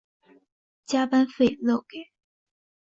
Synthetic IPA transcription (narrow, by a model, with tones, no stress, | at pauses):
t͡ɕja˥pa˥nfe˥˧ɪlɔ˥˩ʊke˨˩˦